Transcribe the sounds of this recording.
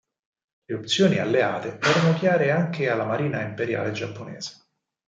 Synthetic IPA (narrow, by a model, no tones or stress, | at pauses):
leopt̪sjoːnia̰lːea̰ːt̪eɛːɾanokjaːɾeaŋkealːamaɾiːnaimpeɾja̰ːled͡ʒapːonɛ̰ːze̥